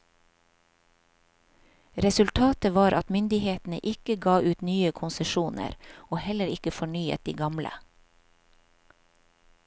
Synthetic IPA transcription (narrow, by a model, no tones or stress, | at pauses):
ɾɛsʉlt̪ʰɑːt̪əʋɑːɾʔɑt̪mʏnd̪ɪheːt̪n̩ə̰ʔɪkəɡɑːʔʉːt̪nyːəkʰʊnsəʃuːnə̰ɾoːhɛləɾɪkəfɔɳyːə̰t̪̚d̪iːɡɑmlə̰